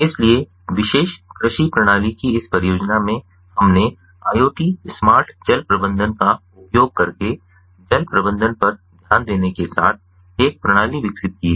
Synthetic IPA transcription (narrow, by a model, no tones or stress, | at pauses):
ɪslie | ʋɪʃeːʃkɾɪʃipɾɐɽ̃aːlikiɪspəɾjoːd͡ʒnamẽ | hɐmne | aːjoːʈismaːɾʈʰd͡ʒɐlpɾɐbə̃nd̪ʱənkaʊpjoːɡ̚kɐɾke | d͡ʒɐlpɾɐbə̃nd̪ʱənpɐɾd̪ʱjaːnd̪eːnekesa̰ːt̪̚ʰ | eːk̚pɾɐɽ̃aːliʋɪksɪt̪̚kieː